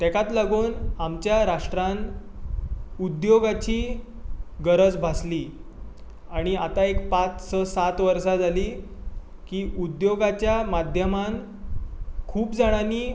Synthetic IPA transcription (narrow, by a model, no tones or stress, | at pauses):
t̪ɛkat̪laɡuːnamt͡ɕjaɾaʂʈɾãn | ud̪joɡat͡ɕiː | ɡəɾəd͡zbʱasliː | aɽ̃iat̪aekpat͡ssəsat̪ʋəɾsad͡zʱaliː | kiːʔud̪joɡat͡ɕjamad̪ʱjəman | kʰuːpd͡zaɽ̃aniː